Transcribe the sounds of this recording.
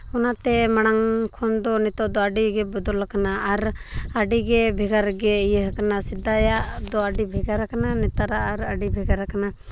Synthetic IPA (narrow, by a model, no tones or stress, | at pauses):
ɔnat̪ɛmaɽ̃aŋkʰɔnd̪ɔnɛt̪ɔd̪ɔaɖiɡɛbɔd̪ɔlkanaʔːɾaɖiɡɛbʱɛɡaɾɡɛijəɦkanasid̪ajaʔd̪ɔaɖibʱɛɡaɾakananɛt̪aɾaʔːɾaɖibʱɛɡaɾakana